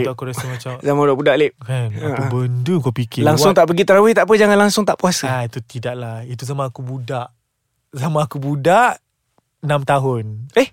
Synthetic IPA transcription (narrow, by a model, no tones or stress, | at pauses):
akuɾasəmat͡ʃamzamãudaʔbudaʔlep̚kanat̪ubənduŋkɔpikɪlaŋwʊŋt̪aʔpəɡit̪əɾawɪht̪aʔpəd͡ʒaŋanlaŋsʊŋt̪aʔpuasaait̪ut̪idaʔlait̪uzamãːkubudaʔ | zamãːkubudaʔ | ənamt̪aɦʊneh